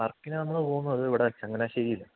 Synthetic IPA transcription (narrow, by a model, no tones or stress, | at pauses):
ɐrkːinɨnɐmːɐɭpo̞ːɣunːuɐðɨiʋiɽeɐt͡ɕːɐŋːɐneaɕeɾijilːɐ